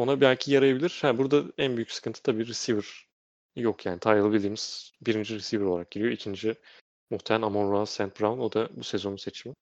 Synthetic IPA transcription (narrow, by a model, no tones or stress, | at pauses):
o̞nabælʲcʰijaɾajabilʲiɾ̥habuɾd̪aænbyjy̥csɨ̥kʰɯnt̪ʰɯt̪ʰabiːɾisivɯɾ̥ | jokjaːnit̪ʰajalˠabilʲd̪iːmiz̥biɾind͡ʒiɾisiːvɾo̞lˠaɾak̚ɟ̥iɾijo̞icʰind͡ʒi | muht̪ʰevænamonɾansænt̪̚bɾavuno̞d̪abuse̞zo̞nuset͡ʃʰimɪ